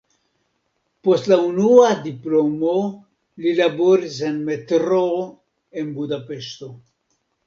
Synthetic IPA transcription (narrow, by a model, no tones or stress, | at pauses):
po̞stlaunuadiplo̞mo | lilaboɾis̬enme̞tɾo | e̞nbudape̞ʃto̞